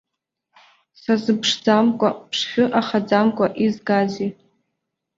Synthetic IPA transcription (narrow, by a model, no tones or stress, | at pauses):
sazɨpʰʂd͡zamkʷʼa̰pʰʂχʲʊʔaχad͡zamkʷʼaʔizɡazi